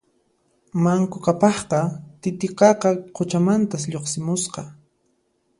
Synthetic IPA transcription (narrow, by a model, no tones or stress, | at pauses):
maŋkʊkapɑχqɑt̪ɪt̪ɪqɑqɑqʰʊt͡ʃamant̪asʎoχsɪmʊsqɑ